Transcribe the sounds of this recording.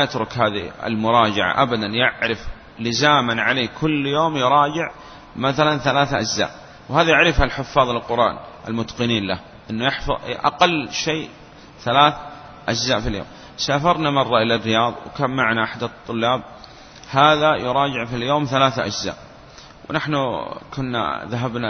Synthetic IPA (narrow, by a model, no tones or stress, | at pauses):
majat̪ɾʊkhaːðḭɪ̰lmʊɾˤɑːd͡ʒaʕa̰ʔabad̪anjaʕɾɪf | lɪzaːmanʕaleːkʰʊlːjoːmjʊɾˤɑːd͡ʒɪʕ | maθalanθalaːθʔad͡ʒza̰ːʔ | whaːðajaʕɾɪfhalħʊfːɑːðˤlɪlqʊɾˤʔɑ̰ːnʔa̰lmʊt̪qɨniːnlah | ʔɪnːujaħfʔa̰qɑlːʃeː | θalaːθ | ʔad͡ʒzaːʔfiljo̰ːm | saːfɑɾˤnamɑrˤːɑʔɪlarːɪjɑːðˤwkaːmːaʕnaʔaħd̪at̪ˤːʊlːɑːb̚ | haːðajʊɾˤɑːd͡ʒɪʕfiljoːmθalaːθʔa̰d͡ʒza̰ːʔ | wnaħnukʊnːa̰ðaɦabna